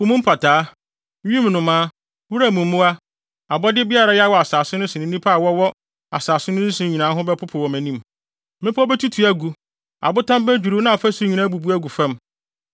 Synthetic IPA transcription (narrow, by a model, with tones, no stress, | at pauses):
ʊ˨˦mũ˦m̩˦pʰa˨tʰaː˨˦ | ĩ˦m˨nʊ̃˨mãː˨˦ | wu˦ɾæ˨mũ˨m̩˦mũ˦a˦ | a˨bɔ˦dɪ˦bi˦a˦ɾa˨jɛ˦wɔ˨a˨saː˨sʊ˦nʊ̃˦sɪ˨ɪ̃˨˦nĩ˦pʰa˦a˨wɔ˦wɔ˦ | a˨saː˨sʊ˦nʊ̃˦nĩ˦sʊ̃˨ɲi˨nãː˨˦ɦʊ̃˦bɛ˦pʰʊ˦pʰʊ˨wɔ˨mæ̃˨nĩ˦m | mɪ̃˦pʰɔ˦bɛ˦tʰu˦tʰu˨æ˦ɡu˨ | a̰˨bʊ˦tʰã˦m˦bæ˦d͡ʑᶣu˨ɾu˦nã˦˨ɔ˨fæ˦sʊ˦ɲĩ˨nã˦bu˨bu˦æ˦ɡu˨fɛ̃˦m